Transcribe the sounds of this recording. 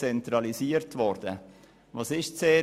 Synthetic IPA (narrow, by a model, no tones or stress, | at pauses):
t͡sɛnt̪ɾɑlisiːəɾtʋɔɾd̥ə̰ | ʋɑːsɪʃt͡seː